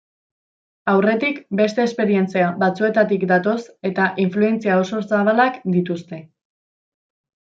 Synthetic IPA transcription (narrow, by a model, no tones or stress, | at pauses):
awre̞t̪ikbe̞st̪e̞ːspe̞ɾie̞nt͡siaβat͡sue̞t̪at̪ikd̪at̪o̞se̞t̪aʔiɱflue̞nt͡siao̞so̞saβalakd̪it̪ust̪e̞